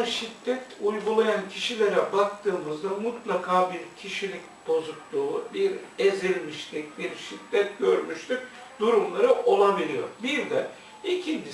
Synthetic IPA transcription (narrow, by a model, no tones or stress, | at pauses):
ʃid̪ːɛt̪ʰujɡulˠajancʰiʃilʲeɾɛbakt̪ʰɯːmɯzd̪amut̪lˠakʰaːbiɾcʰiʃilʲicʲ | b̥o̞zuklˠuːbiɾezilʲmiʃt̪ʰic̚biɾʃid̪ːɛt̪̚ɟø̞ɾmyʃt̪yc̚ʲ | d̪uɾumlˠaɾɯʔo̞lˠabilʲijo̞̰ɾbiɾd̪ɛ | icʰini